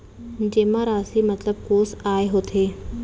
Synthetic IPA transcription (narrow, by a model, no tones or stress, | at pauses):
d͡ʒeːmãɾaːsimɐt̪ləb̚koːsaːeɦoːt̪ʰeː